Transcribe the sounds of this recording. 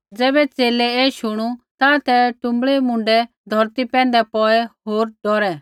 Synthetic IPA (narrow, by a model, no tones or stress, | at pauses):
d͡zɛːbɛt͡seːlɛɛːʃʊɽ̃ut̪ãt̪ɛʈʊ̃mbɭɛmʊ̃ɳɖɛ | d̪ʱɔɾt̪ipɛ̃ːnd̪ɛpɔɛɦoːɾɖɔɾɛ